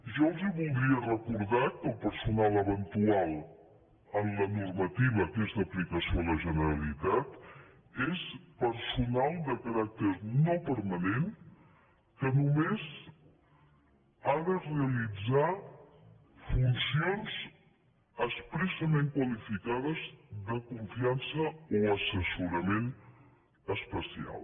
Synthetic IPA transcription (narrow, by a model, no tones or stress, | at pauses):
ʒɔlˠziβulˠd̪ɾiərəkuɾðakəlˠpəɾsunalˠəβənt̪ualˠ | ənlənuɾmət̪iβəkezðəplikəsioləʒənəɾəlit̪at̪ | espəɾsunalˠd̪əkəɾak̚t̪əɾnopəɾmənen | kənumez | aðəreəlid͡za | funsionz | əspɾɛsəmeŋkwəlifikaðəzðəkuɱfiansəoəsəsuɾəmen | əspəsia̰lˠ